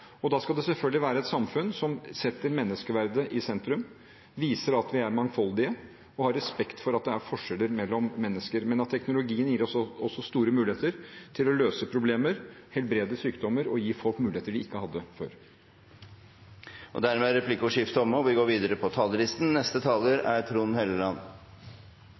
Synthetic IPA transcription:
ɔd̪ɑːskɑld̪ɛsɛlfœlɡlɪʋæːɾəɛt̪sɑmfʉnsɔmsɛt̪ːəɾmɛnːəskəʋæɾd̪əʔɪsɛnt̪ɾʉm | ʋiːsəɾɑt̪ʋɪæɾmɑŋfɑld̪ɪə | ɔhɑɾɛspɛkt̪fɔɾɑt̪̚d̪ɛæɾfɔʂɛlːəɾmɛlːɔmːɛnːəskəɾmɛnɑt̪ʰːɛknʊlʊɡiːənjiːɾɔsɔsːɔst̪uːɾəmʉːɪeːt̪əɾt̪ʰɪlɔløːsəpʰɾʊbleːməɾhɛlbɾeːd̪əsyːkd̪ɔmːəɾɔjiːfɔlkmʉːlɪeːt̪əɖɪɪkːəhɑd̪ːəfø̰ːɾ | ʔɔ̰d̪æɾmɛæɾɛpʰlɪkʊʂɪfd̪ɔməɔʋɪɡoːɾʋiːd̪əɾəpʰɔt̪ʰɑːlːəlɪst̪n̩nɛst̪ət̪ʰɑːləɾæɾt̪ʰɾuːnheləlɑnː

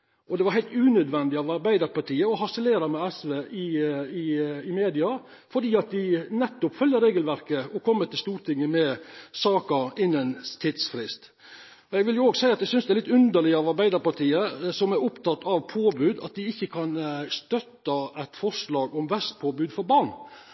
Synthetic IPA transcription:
ɔd̪ɛʋɑɾhæɪlt̪ʉːnœd̪ʋɛnd̪ɪɑʋɑɾbæɪd̪əɾpɑʈiːəɔɦɑsəleːɾɑmɛɛsʋeːʔɪɪɪmeːd̪ɪɑ | fɔɖiːɑt̪̚d̪ɪnɛt̪ːʊpfœljːəɾeːɡəlʋæɾkəɔkʰɔmːət̪ʰɪlst̪uːɾʈ̪ʰɪŋːəmɛsɑːkəɾɪnːənt̪ʰɪd̪sfɾɪst̪ | ɔjɛɡʋɪljʊoːɡsæɪɑt̪d̪ɛsʏnsd̪ɛæɾlɪt̪ːʉnd̪əɭɪɑʋɑɾbæɪd̪əɾpɑʈʰiːəsɔmæɾʊpt̪ɑt̪ːɑʋpʰoːbʉːd̪ɑ̰t̪̚d̪ɪɪçːəkʰɑnst̪œt̪ːɑæt̪fɔɾʂlɑːɡɔmʋæst̪̚pʰoːbʉːd̪fɔɾbɑɳ

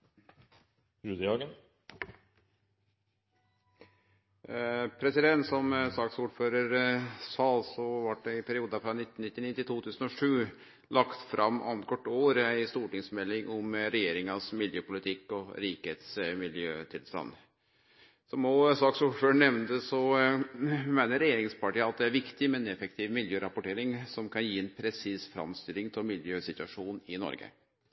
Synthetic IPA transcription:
ɾʉd̪əɑːɡən | pʰɾɛsɪd̪ɛnt̪sɔmsɑːksuːɖføːɾəɾsɑlsɔʋɑʈ̚ɖɛɪpʰæɾɪuːd̪ɑfɾɑnɪt̪ːn̩ɪt̪ːɪnɪt̪ːɪt̪ʰuːt̪ʰʉːsənɔʂʉː | lɑkt̪fɾʔɑmːʔɑ̰nt̪kʰɔʈːoːɾæɪst̪uːʈɪŋsmɛlːɪŋʔɔmɾɛjeːɾɪŋɑsmɪljøːpʊlɪt̪ʰɪkːɔɾiːkheːt̪smɪljøːt̪ʰɪlst̪ɑ̰nː | sɔmoːsɑksuːføːɳɛʋnt̪əsɔ | mæɪnəɾɛjeːɾɪŋspʰɑʈiːəɑt̪̚d̪ɛæɾʋɪkt̪ɪmɛɛnɛfək̚t̪ʰiːʋmɪljøːɾɑpʊʈeːɾɪŋsɔmkʰɑnjiːɛnpʰɾɛsiːsfɾɑ̰mst̪ɪlɪŋt̪ʰɪlmɪljøːsɪt̪ʉɑʂuːnɪnɔ̰ɾɡə̰

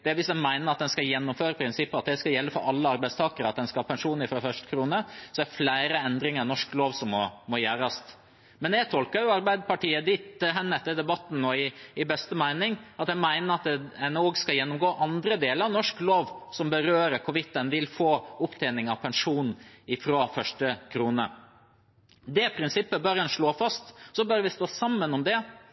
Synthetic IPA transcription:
d̪̥ɛæʋɪsd̪ɛnmæɪnəɾɑt̪̚d̪ɛnskɑljɛnːʊmføːɾəpʰɾɪnsɪpːəɑt̪̚d̪ɛskɑjɛlːəfɔɾɑlːəɑɾbæɪst̪ʰɑːkəɾəɑt̪̚d̪ɛnskɑhɑːpʰɛnʂuːnɪfɾɑfœʂt̪əkʰɾuːnəsɔæflæɪɾəɛnd̪ɾɪŋəɾnɔʂkloːʋsɔmmɔmɔjæːɾɑst̪ | mɛnɛt̪ʰɔlkəɾjʊɑɾbæɪd̪pʰɑʈiːəd̪iːt̪ɦɛnːəɛt̪ːəɾd̪ɛbɑt̪ːn̩nɔɪɪbɛst̪əmæɪnɪŋɑt̪ɛmæɪnəɾɑt̪ɛnoːɡskɑjɛnːʊmɡoːʔɑnd̪ɾəd̪eːləɾɑʋnɔʂkloːʋsɔmbəɾøːɾəkʰʊʋɪt̪ːənʋɪlfoːʊpt̪ʰænɪŋɑʋpʰɛnʂuːnɪfɾoːfœʂʈəkʰɾuːnə | d̪ɛpʰɾɪnsɪpːəbøːɾɛnʂɭoːfɑst̪sɔbøɾʋɪst̪oːsɑmːənɔmd̪ɛ

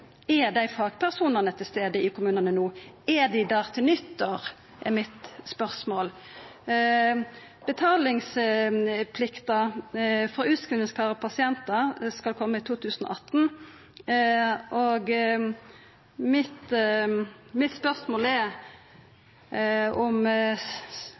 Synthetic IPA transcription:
ɛd̪æɪfɑːɡ̥pʰæʁsuːnəʁnət̪ʰɪlst̪eːd̪əɪkʰʊmʉːnənənuː | ɛd̪ɪd̪æːʁt̪ʰɪlnʏt̪ːɔʁ | ʔɛmɪt̪spœʁsmoːl | b̥ət̪ʰɑːlɪŋs | pʰlɪkt̪ɑfɾɔʉːt̪skʁɪlnɪŋskʰɑːʁpʰɑsɪɛnt̪ɑskɑlkʰɔmːəɪt̪ʰuːt̪ʰʉːsn̩ɔ̰ʔɑt̪n̩ | ʔoɡ | mɪt̪ | mɪt̪spœʁsmoːlɛ | ʊm

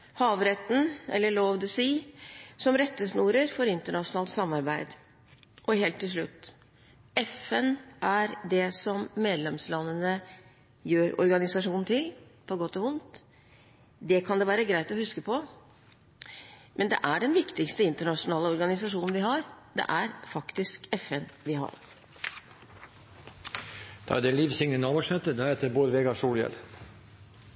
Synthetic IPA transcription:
hɑːʋɾɛt̪ːn̩ɛ̰lːəɭoːʋd̪ɛsiːsɔmɾɛt̪ːəsnuːɾəɾfɔɾɪnt̪əɳɑʂʊnɑːlt̪sɑmːɑɾbæɪd̪ | ʔɔɦeːlt̪ʰːɪlʂɭʉ̰t̪ː | ɛfɛnʔæɾd̪ɛsɔmːeːd̪lɛmslɑnːənə | jøːɾɔ̰ɾɡɑnɪsɑʂuːnn̩t̪ʰɪlpʰɔɡɔt̪ːɔʊnt̪ | d̪ɛkʰɑnd̪ɛːʋæːɾəɡɾæɪt̪ɔhʉskəpʰɔ | mʔɛnd̪ɛ̰ʔæɖɛnʋɪkt̪ɪkst̪əɪnt̪əɳɑʂʊnɑːləɔɾɡɑnɪsɑʂuːnn̩ʋɪɦɑɾd̪ɛ̰ʔæɾfɑkt̪ɪskɛfɛnʋɪɦɑ̰ɾ | d̪̥ɑ̰æd̪ɛliːʋsɪŋnənɑːʋəʂmɛt̪əd̪ɑhɛːt̪ʰəboːɾʋeːɡɑʂuːljɛ̰l

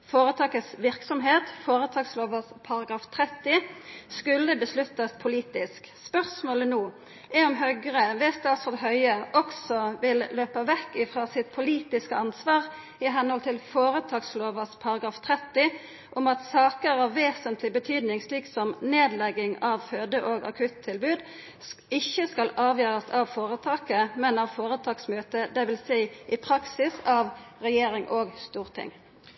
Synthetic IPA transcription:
foːɾət̪ʰɑːkəsʋɪʁksɔmɦeːt̪foːɾət̪ʰɑːɡsloːʋəspʰɑɾɑɡɾɑːft̪ʰʁɛt̪ːɪskʉlːəbəslʉt̪ːɑspʰʊliːt̪ɪskspœʁsmoːlənoː | ʔɛɔmɦœɡʁəʋɛst̪ɑsfɔʁd̪ɛɦœʏəʔɔksɔʋɪlløːpəʋɛkːɪfɾɑːsɪt̪̚pʰʊliːt̪ɪskəɑnsʋɑːʁ | ɪɦɛnhɔlt̪ʰɪlfoːɾət̪ʰɑːɡsloːʋəspʰɑɾɑɡɾɑːft̪ʰɾɛt̪ːɪ | ʔʊmɑt̪sɑːkəɾɑʋːeːsənt̪ʰlɪbət̪ʰyːd̪nɪŋsliːksɔmneːd̪lɛɡːɪŋɑʋføːd̪əʔoːɡɑ̰kʰʉt̪ʰːɪlbʉːd̪ | ɪçːəskɑlɑːʋjøːʁəsɑʋfoːʁət̪ʰɑːkəmɛnɑʋfoːʁət̪ʰɑːksmøːt̪əd̪ɛʋɪlsæɪʔɪpʰɾɑksɪsɑʋʁɛjeːɾɪŋʔoːɡst̪uːʁt̪ʰɪ̰ŋ

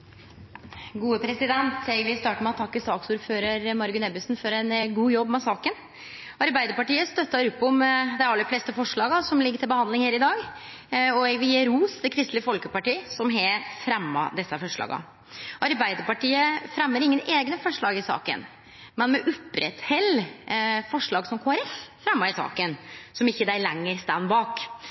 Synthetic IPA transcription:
ɡuːəpʰɾɛsɪd̪ɛnt̪ɛɡʋɪst̪ɑːʈəmɛɔt̪ʰːɑkːɪsɑːksuːɾføːɾəɾmɑɾɡʉnɛbʉsnfɔɾɛnɡuːjɔbːmɛsɑːkən | ɑɾbæɪd̪əɾpɑʈiːəst̪œt̪ːɑɾʊpːɔmd̪ɛɑlːəfleːst̪əfɔʂɭɑːɡɑsɔmlɪɡːəɾʈʰɪlbəhɑnd̪lɪŋheːɾɪd̪ɑːɡ | ɔɛɡʋɪjeːɾuːst̪əkʰɾɪst̪lɪəfɔlkəpɑʈiːəsɔmɦefɾɛmːɑ̰d̪ɛsːɑfɔʂɭɑ̰ːɡɑ̰ | ʔɑɾbæɪd̪əɾpɑʈiːəfɾɛmːəɾɪŋːəneːɡnəfɔʂɭɑːɡɪsɑ̰ːkə̰n | mɛnmɛʔʊpːɾɛt̪hɛlː | fɔʂɭɑːɡsɔmkʰoːɑɾɛffɾɛmːɑɾɪsɑ̰ːkənsɔmɪçːəd̪æɪlɛŋːəɾst̪ænbɑːk

